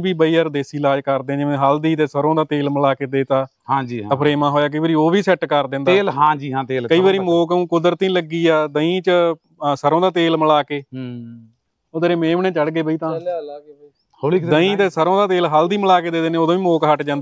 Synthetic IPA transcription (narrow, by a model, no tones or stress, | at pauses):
biːbəiːəɾd̪eːsiːlaːd͡ʒkəɾd̪ẽːd͡ʒeʋẽːɦəld̪iːt̪eːsəɾõːd̪aːt̪eːlməlaːkeːd̪eːt̪aː | ɦãːd͡ʒiːpʰɾeːmãːɦoːjaːk̬əiːʋaːɾiːoːbiːsɛʈkəɾd̪ẽːnd̪aeːlɦãːd͡ʒiːɦãːt̪eːlkəiːʋaːɾiːmoːkũːkʊd̪əɾt̪ĩːləɡiːaːd̪əĩːt͡ʃə | səɾõːd̪aːt̪eːlməlaːkeː | oːd̪əɾẽːmẽːmɳẽːt͡ʃəɽɡeːbəiːt̪ãː | oid̪əĩːt̪eːsəɾõːd̪aːt̪eːlɦəld̪iːməlaːkeːd̪eːd̪eːneːoːd̪õːʋiːmoːkɦəʈd͡ʒãːnd̪ː